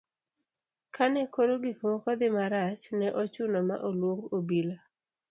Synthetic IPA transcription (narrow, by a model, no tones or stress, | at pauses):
kʰanɛkoɾoɡikomɔkɔd̪ɪmaɾat͡ʃnɛʔɔt͡ʃʊnɔma̰ʔolwoŋɡobila